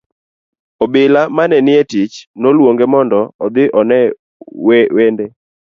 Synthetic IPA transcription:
ɔbɪlamanɛnɪɛtit͡ʃnolwoŋɡemɔndɔɔd̪ɪʔɔnɛ | wewende

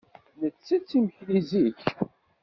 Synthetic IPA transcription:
nət͡sːæt͡sːiməçliziç

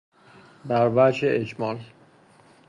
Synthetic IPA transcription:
bæɾvæd͡ʒeʔed͡ʒmɒːl

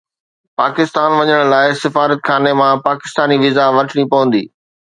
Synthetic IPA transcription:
paːkɪst̪aːnʋɐɲəɽ̃laːɪsɪfaːɾət̪xʰaːnemãpaːkɪst̪aːniʋizaʋɐʈʰəɽ̃ipɐʋə̃n̆d̪ḭː

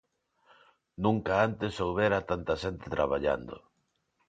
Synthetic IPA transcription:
nũŋkaant̪esowβeɾat̪ant̪aʃent̪et̪ɾa̰β̞aʎa̰nd̪ʊ̰

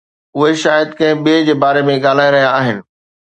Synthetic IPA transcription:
ʊɦeʃaːjəd̪kɐ̃ɦɪ̃ɓid͡ʑeːbaːɾemẽɠaːl̤aːj̃ɾɐɦijaːɦɪnɪ̆

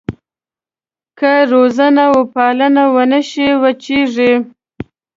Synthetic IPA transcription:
kəɾozanawəpɑlənawənəʃiwət͡ʃiʐi

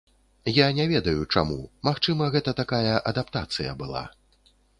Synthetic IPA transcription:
janʲɛvʲɛd̪ɐjut͡ʂa̰mṵmaxt͡ʂɨmɐɣɛt̪ɐt̪akajɐʔɐd̪ap̚t̪at̪sɨjɐ̰bɨlˠa̰

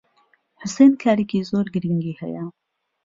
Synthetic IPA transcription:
ħʊseːnkʰaːɾikiːzoːɾɡɨɾiŋɡiːhɛ̰jɛ

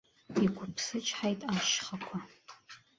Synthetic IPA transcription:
ikʷʰʊpʰsɨt͡ʃʼħajtʼaʃχakʷʰa

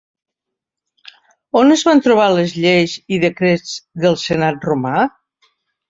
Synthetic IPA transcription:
onəzβant̪ɾuβ̞aləzʎejziðəkɾed͡zðəlˠsənat̪̚ruma

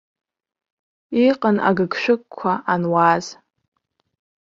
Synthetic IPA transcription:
iqʼəna̰ɡɨɡʃʷᶣɨkʼkʷʰaʔanwaz

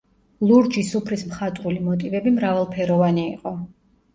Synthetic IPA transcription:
lˠuɾd͡ʒisupʰɾismχat̪ʼulimɔt̪ʼivɛbimɾavalˠpʰɛɾɔvaniːqʼɔ

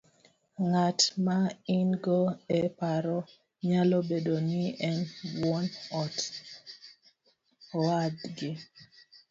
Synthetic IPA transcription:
ŋatmainɡoɛpaɾɔ | ɲalɔbedonɪɛnwɔnɔt | adɡɪ

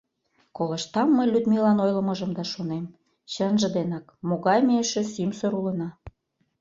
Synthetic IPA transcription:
kolə̆ʃt̪ɑmːəjlʲyd̪milɑnojlə̆mɤ̆ʒə̆md̪ɑʃonem | t͡ɕənʒə̆d̪enɑkmoɣɑjmeʃĕsimsəɾulə̆nɑ

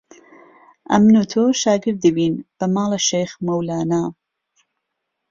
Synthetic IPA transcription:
ʔɐ̰mnut̪ʰoʃaːɡɨɾd̪ːɨbiːnb̥ɐmaːleʃejxmɐwlaːnaː

